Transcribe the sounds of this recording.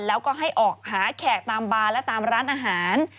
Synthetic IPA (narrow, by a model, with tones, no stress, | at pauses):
lɛː˦˥wkɔː˥˩ɦa˥˩jʔɔː˨˩k̚haː˩˦kʰɛː˨˩k̚t̪aː˧mbaː˧lɛ˦˥wt̪aː˧mɾaː˦˥nʔaː˧ɦaː˩˦n